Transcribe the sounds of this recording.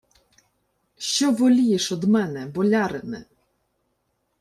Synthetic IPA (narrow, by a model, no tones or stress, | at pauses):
ʃt͡ʃɔʋɔlʲijɛʃɔd̪mɛnɛbɔlʲaɾɪmɪ̰